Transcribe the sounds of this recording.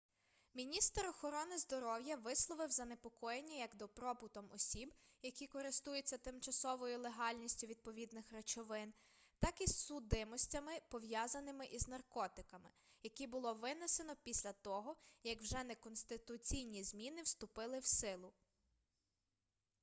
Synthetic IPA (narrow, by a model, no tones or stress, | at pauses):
mʲinʲist̪ɾɔxɔɾɔnɪzd̪ɔɾɔwjɐʋɪslˠɔʋɪwzɐnepɔkɔjenʲːɐjɐɡd̪ɔpɾɔpʊt̪ɔmɔsʲibjɐkʲikɔɾɪst̪ujet͡sʲːɐt̪ɪmt͡ʃɐsɔʋɔjʊlˠeɦɑlʲnʲisʲtʲʊʋʲid̪̚pɔʋʲid̪nɪxrɐt͡ʃɔʋɪn | t̪ɑkisʊd̪ɪmɔsʲtʲɐmɪpɔʋjɑzɐnɪmɪʔiznɐrkɔt̪ɪkɐmɪ | jɐkʲibʊlˠɔʋɪnesenɔpʲisʲlʲɐt̪ɔɦɔjɐkwʒɛnɛkɔnst̪ɪt̪ʊt͡sʲijnʲizmʲinɪwst̪ʊpɪlˠɪwsɪlˠʊ